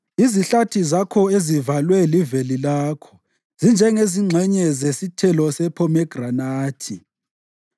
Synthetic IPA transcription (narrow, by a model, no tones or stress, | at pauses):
iziɬatʰizakʰɔezivalwɛlivelilaːkʰɔ̥ | z̥ind͡ʒʱɛŋeziŋ͡ǁʱɛɲɛzesitʰɛlɔsɛpʰɔmɛɡ̥ranaːtʰi